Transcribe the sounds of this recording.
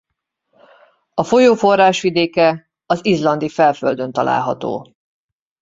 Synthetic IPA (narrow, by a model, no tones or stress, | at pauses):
ɒfo̞joːfo̞rːaːʃʋid̪eːkɛ | ɒzizlɒnd̪ifɛlfø̰ld̪ø̞nt̪ɒlʔa̰ːlɦɒ̰t̪o̰ː